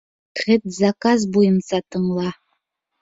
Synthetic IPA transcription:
χʲetzakʼazbuint͡sʼatʰʼɨmla

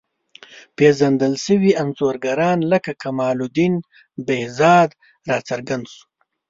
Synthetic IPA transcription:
peʒand̪əlsəwianzoːɾɡaɾɑːnlakakamɑːlud̪in | behzɑːd̪ | ɾɑːt͡saɾɡand̪su̥

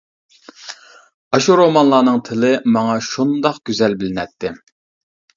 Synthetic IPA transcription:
ɑʃuɾomɑnlˠɑːnɨŋt̪ʰɪlɪmɑŋɑʃund̪ɑqɡ̥ʲøzɛlbɪlɪnɛt̪ʰːɪ

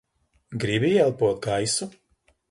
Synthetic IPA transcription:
ɡɾibijɛlˠpuɔt̪̚ɡajsu

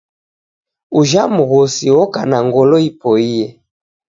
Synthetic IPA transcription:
uʒamuɣɔsiwɔkanaŋɡɔlɔipɔiɛ

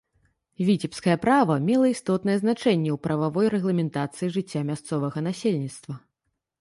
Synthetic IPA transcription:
vʲit͡sʲɛpskɐjɛpɾavɐmʲɛlˠɐist̪ɔt̪nɐjɛznat͡ʂɛnʲːɛwpɾɐvavɔjɾɛɣlˠɐmʲɛnt̪at̪sɨjiʐɨt͡sʲːamʲast̪sɔvɐɣɐn̪asʲelʲnʲit̪st̪vɐ

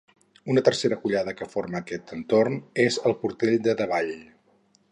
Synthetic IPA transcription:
unət̪ərseɾəkuʎaðəkəforməːkɛt̪ənt̪ornezəlˠpuɾt̪eʎd̪əðəβaʎ

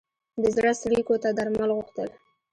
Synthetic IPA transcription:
b̪ɪzɾast̪likot̪ad̪aɾmalɣʊxt̪əl

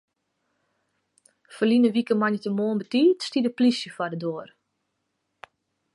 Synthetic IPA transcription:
fərlinəʋikəmanətəmoːənbətiːtstidəplisjəfadədoər

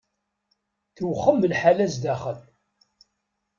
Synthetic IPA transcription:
θəwχːəmːəlħalæzd̪æχən

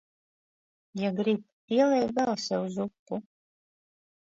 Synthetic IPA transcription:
jaɡɾip̚ | iɛlˠɛjvbælˠsɛuzukːu

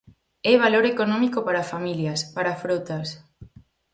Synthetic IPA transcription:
ɛβ̞aloɾekonɔ̃mikopaɾafamiljaspaɾafɾowt̪as

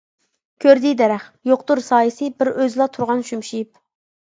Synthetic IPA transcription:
kʲʰøɾd̪ijd̪ɛɾɛχjoqt̪uɾsɑːjɨsɨbɪɾøzlˠɑt̪ʰuɾʁɑnʃymʃip̚

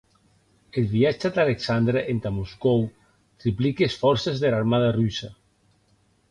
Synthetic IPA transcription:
elβiat͡ʃed̪aleksand̪ɾeʔent̪amuskow | t̪ɾiplikeːsfɔɾsezðelaɾmaðarysa

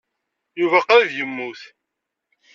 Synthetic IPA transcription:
juvæqaɾvjəmːuθ

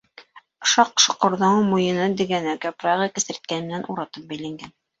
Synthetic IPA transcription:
ʃɑqʃŏqŏɾðɑŋmujɤ̆nɤd̪ɘ̆ɡænæɡæprɑʁɤkɘ̆sɘ̆ɾt̪̚kænɘmɘ̆nænʔuɾɑt̪ɤp̚bæjlæŋɡæn

